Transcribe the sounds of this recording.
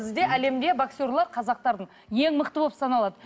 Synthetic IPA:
zɪd̪e̞ʔæle̞md̪e̞baksʲoɾlˠɑɾqʰɑzɑq̚t̪ɑɾd̪əɴ | je̞ŋməqt̪əbo̞psɑnɑlˠɑd̪ə

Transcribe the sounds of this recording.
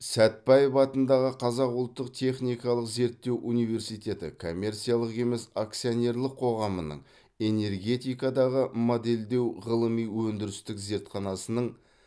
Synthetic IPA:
sæt̪̚pɑjəpɑt̪ənd̪ɑʁəqʰɑzɑqʊlˠt̪ːəq̚t̪ʰe̞χnijkɑlˠəqze̞ɾt̪ːe̞wʔunijve̞ɾsijt̪e̞t̪ɪ̰kʰo̞mʲːe̞rt̪sijalˠəqe̞me̞sak̚t̪sijone̞rlˠəqʰːo̞ʁɑmənə̰ɴ | e̞ne̞rɡʲe̞t̪ijkɑd̪ɑʁəmo̞d̪e̞ld̪e̞wʁəlˠəmijwɵnd̪ɪɾɪst̪ɪkze̞ɾt̪χɑnɑsənəɴ

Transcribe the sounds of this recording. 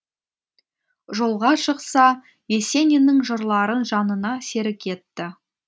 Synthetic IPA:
ʒo̞lˠʁɑʃəqsɑ | je̞se̞nʲinɪŋʒəɾlˠɑɾənʒɑnənɑse̞ɾɪkʲʰe̞t̪ːɪ

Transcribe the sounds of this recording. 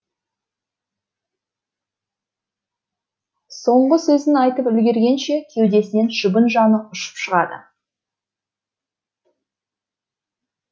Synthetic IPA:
so̞ɴʁəsɵzɪnɑjt̪əpʏlɡʲe̞ɾɡʲe̞nʃe̞kʲʰe̞wd̪e̞sɪne̞nʃəbənʒɑnəʊʃə̥pʃəʁɑd̪ə̰

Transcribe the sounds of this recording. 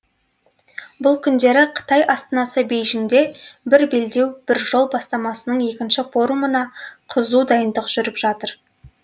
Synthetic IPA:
bʊlˠkʲʰʏnd̪e̞ɾɪqʰə̥t̪ɑjʔɑst̪ənɑsəbejʒɪŋd̪e̞bɪɾbe̞ld̪e̞wb̥ɪɾʒo̞lˠbɑst̪ɑmɑsənəɴe̞kʲɪnʃɪfo̞ɾumənɑqʰəzud̪ɑjənd̪əqʒ̥ʏɾɪpʒɑt̪əɾ

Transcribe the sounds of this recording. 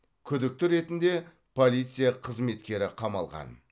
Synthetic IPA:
kʲʰʏd̪ɪk̚t̪ɪɾe̞t̪ɪnd̪e̞ | pʰo̞lʲˠijt̪sɨjaqʰəzme̞t̪kʲe̞ɾɪqʰɑmɑlˠʁɑ̰n

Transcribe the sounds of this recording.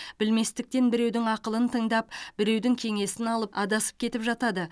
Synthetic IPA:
b̥ɪlme̞st̪ɪk̚t̪e̞nbɪɾe̞wd̪ɪŋɑqəlˠənt̪ʰəɴd̪ɑpb̥ɪɾe̞wd̪ɪŋkʲʰe̞ŋe̞sɪnɑlˠəpɑd̪ɑsə̥p̚kʲʰe̞t̪ɪpʒɑt̪ɑd̪ə

